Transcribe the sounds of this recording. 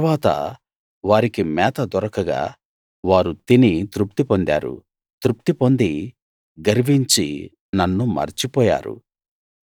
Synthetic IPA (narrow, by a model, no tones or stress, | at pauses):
ʋaːt̪ɐ̰ | ʋaːɾikimɛːt̪ɐd̪ɔɾɐkɐɡa̰ː | ʋaːɾut̪init̪ɾup̚t̪ipo̞nd̪a̰ːɾṵ | t̪ɾup̚t̪ipo̞nd̪i | ɡɐɾiʋiɲt͡ʃḭ | nɐnːumɐ̰ɾt͡ʃipɔːja̰ːɾṵ